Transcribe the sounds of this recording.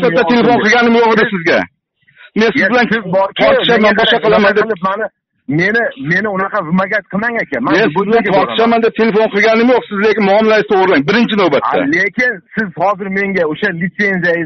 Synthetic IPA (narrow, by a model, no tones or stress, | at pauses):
at̪ːat̪ʰe̞le̞fonqʰɨɡʲanɪmjoqd̪ɪsɪzɡʲa̰ | mensɪzbɪlanzbt̪ʰɒɾt̪ɪʃamanbɒʃɑqʰɨlˠamand̪edpmanɪ | me̞nɪme̞nɪʊnɑqɑvɪmaɡʲat̪̚qʰɨmaŋakʲanmanme̞nsɪzbɪlant̪ʰɒɾt̪ʰɪʃamand̪ep̚t̪ʰelefo̞nqʰɨlˠɡʲanɪmjoqsɪzlekʲɪnmʊɒmɪlaɾɪst̪ʰoʁɾɪlaŋbɪɾɪnt͡ʃʰɪnowbat̪ːa̰lekʲɪnsɪzhɒzɪɾme̞ŋɡʲaoʃalɪt̪se̞nzijajɪ